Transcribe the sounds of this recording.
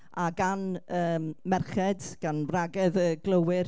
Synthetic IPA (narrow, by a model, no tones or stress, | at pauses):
aɡanəːmmɛrχɛdɡ̥anraɡɛðəɡ̥lˠəwɪr